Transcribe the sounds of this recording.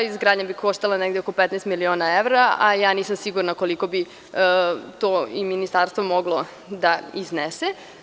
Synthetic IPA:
izɡɾaːd̪ɲebikoʃt̪alˠaneɡd̪eoko̞pet̪nest̪milionaeʋɾaajaːniːsamsiɡuɾnakoliko̞bi | t̪oːiminist̪aɾst̪ʋomoɡlo | d̪aiznese

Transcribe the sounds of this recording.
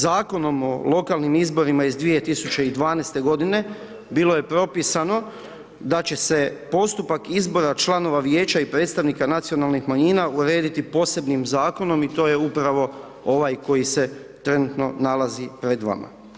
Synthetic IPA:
zaːko̞no̞mo̞lˠo̞kalˠnimizbo̞ɾimaizd̪ʋije̞t̪isut͡ɕe̞id̪ʋaːnest̪e̞ɡo̞d̪ine̞ | bilˠo̞je̞pɾo̞pisano̞ | d̪at͡ɕe̞se̞po̞st̪upakizbo̞ɾat͡ʃlˠano̞ʋaʋje̞ːt͡ɕaipɾe̞ːt̪st̪aʋnikanat̪sio̞nalˠnixmaɲiːnauɾe̞ːd̪it̪ipo̞se̞bnimzaːko̞no̞mit̪o̞je̞upɾaʋo̞ | o̞ʋajko̞jise̞t̪ɾe̞nut̪no̞nalazipɾe̞d̪ʋa̰ma̰

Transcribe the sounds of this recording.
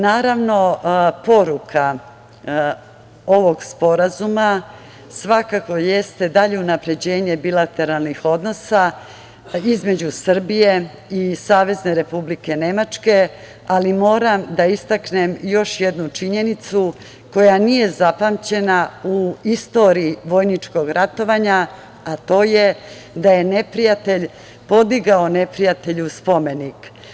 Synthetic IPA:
naːɾaʋno̞po̞ɾukʰa | o̞ʋo̞ɡspo̞ɾazuma | sʋakako̞je̞st̪e̞d̪aʎeunapɾe̞d͡ʑe̞ːɲe̞bilat̪e̞ɾalˠnixo̞d̪no̞sa | izme̞d͡ʑusr̩bije̞ | isaːʋe̞zne̞ɾe̞publike̞ne̞mat͡ʂke̞ | alimo̞ːɾamd̪aist̪aknemjo̞ʃje̞d̪nut͡ʃiɲe̞nit̪su | ko̞janije̞zapamt͡ɕe̞nauist̪o̞ɾiːʋo̞jnit͡ʃko̞ɡɾat̪o̞ʋaɲa | at̪o̞ːje̞ | d̪aje̞ne̞pɾijat̪e̞ʎ | po̞d̪iɡao̞ne̞pɾijat̪e̞ʎuspo̞me̞nik

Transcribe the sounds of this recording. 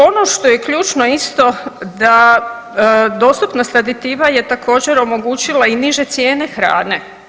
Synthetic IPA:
o̞no̞ʃt̪o̞jekʎuːt͡ʃno̞ist̪o̞d̪a | d̪o̞ːst̪upnost̪ɾad̪it̪iːʋaje̞t̪akʰo̞ːd͡ʑeɾo̞mo̞ɡuːt͡ɕilainiʒe̞t̪sje̞ːne̞xɾa̰ːne

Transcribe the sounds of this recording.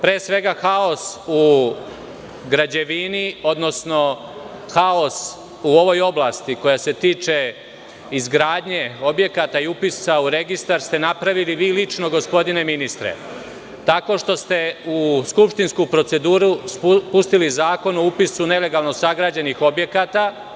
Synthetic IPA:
pɾeːsʋe̞ɡaxao̞su | ɡɾad͡ʑe̞ʋinio̞d̪no̞sno̞ | xao̞s | uo̞ʋo̞jo̞blast̪iko̞jase̞t̪iːt͡ʃe | izɡɾaːd̪ɲe̞o̞bje̞kat̪aiupisauɾe̞ɡist̪aɾst̪e̞napɾaʋiliʋiːlit͡ʃno̞ɡo̞spo̞d̪ine̞minist̪ɾḛ | t̪ako̞ːʃt̪o̞st̪e̞uskupʃt̪inskuːpɾo̞t̪se̞d̪uːɾuspust̪ilizaːko̞noupisune̞le̞ɡalˠno̞saɡɾaːd͡ʑe̞nixo̞bje̞kat̪a

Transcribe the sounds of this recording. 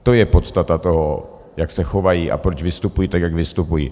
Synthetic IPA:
t̪ojɛpo̞t̪st̪at̪at̪o̞ɦo | jaksɛxo̞vajiʔa̰pɾot͡ʃvɪst̪upujiːt̪akjaɡvɪst̪upujḭ

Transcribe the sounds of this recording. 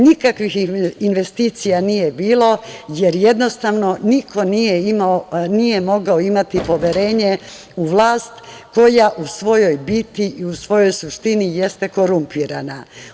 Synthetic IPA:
nikakʋixinʋe̞st̪iːt̪sijanije̞biːlo̞je̞ɾje̞d̪no̞st̪aʋno̞niko̞nijeimaonije̞mo̞ɡao̞imat̪ipo̞ʋje̞ɾe̞ːɲe̞ | uʋlˠaːst̪ko̞jaʔusʋo̞jo̞jbit̪iʔiusʋo̞jo̞jsuʃt̪inije̞st̪e̞ko̞ɾumpiːɾana

